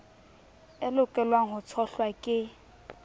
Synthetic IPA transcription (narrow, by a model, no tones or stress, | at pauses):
ɪlʊkʼɛlwaŋ̩ɦʊt͡sʰɔɬwakʼɪ